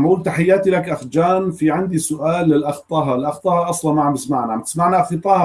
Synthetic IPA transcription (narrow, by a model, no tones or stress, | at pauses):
mʔuːlt̪aħɪjːaːt̪ilakʔaxd͡ʒaːnfiʕɪnd̪isʊʔaːlːɪlʔɑxt̪ˤɑːɦɑlʔɑxt̪ˤɑːhɑʔɑsˤlɑnmaʕamɪsmaʕnaʕmt̪ɪsmaʕnaʔxɨt̪ˤɑː